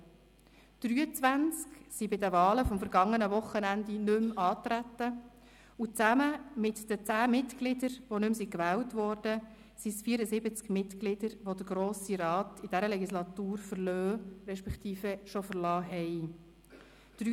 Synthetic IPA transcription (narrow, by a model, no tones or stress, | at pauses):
d̥ɾyːət͡sʋænt͡sksibɪdəʋɑːləfɔmfəɾɡɑŋːənəʋʊχːənænd̪inɵmɑːt̪ɾæt̪ːə | ut͡sæməmɪtd̥ət͡sæːmɪtklɪdəɾʋonʉmsikʋɛæːltʋɔɾd̥ə | sisfiəɾəzɪbət͡skmɪtklɪd̥əɾʋod̥əɾɡɾoːsiɾɑːt̪id̥æɾəlɛɡislɑt̪uːɾfəɾløːɾɛʃpɛkt̪iːfɛʃofəɾlɑːɦɛj | d̪̥ɾy